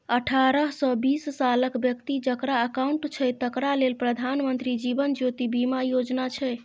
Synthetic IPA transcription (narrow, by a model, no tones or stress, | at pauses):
əʈʰaɾəɦsɔ̃bissaləkbjəkt̪id͡ʒəkɾaəkauɳʈt͡ʃʰɛt̪əkɾalelpɾəd̪ʱanmənt̪ɾid͡ʒibənd͡ʒot̪ibimajod͡ʒnat͡ʃʰɛ